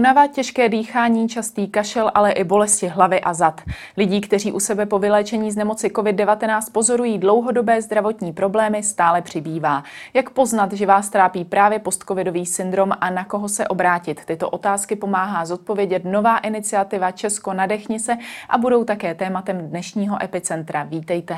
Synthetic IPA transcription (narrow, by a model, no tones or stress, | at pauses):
unavat̪̚cɛʃkɛːdiːxaːɲiːt͡ʃast̪iːkaʃɛlʔalɛʔɪbo̞lɛscɪɦlavɪʔazat̪ | lɪɟiːkt̪ɛriːʔusɛbɛpo̞vɪlɛːt͡ʃɛɲiːznɛmo̞t͡sɪko̞vɪd̚dɛvat̪ɛnaːt͡st̪̚po̞zo̞ɾujiːdlo̞wɦo̞do̞bɛːzd̪ɾavo̞t̪ɲiːpɾo̞blɛːmɪst̪aːlɛpr̝̥ɪbiːvaːjakpo̞znat̪ʒɛvaːst̪ɾaːpiːpɾaːvjɛpo̞st̪̚ko̞vɪdo̞viːsɪnd̪ɾo̞manako̞ɦo̞sɛʔo̞bɾaːcɪt̪ːɪt̪o̞ʔo̞t̪aːskɪpo̞maːɦaːzo̞t̪̚po̞vjɛɟɛt̪no̞vaːʔɪnɪt͡sɪat̪ɪvat͡ʃɛsko̞nadɛxɲɪt͡sɛʔabudo̞wt̪akɛːt̪ɛːmat̪ɛmdnɛʃɲiːɦo̞ʔɛpɪt͡sɛnt̪ɾaviːt̪ɛjt̪ɛ